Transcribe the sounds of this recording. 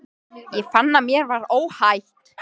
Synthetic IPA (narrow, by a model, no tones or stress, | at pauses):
jɛfanːamjɛɾvaɾoːwhajht̪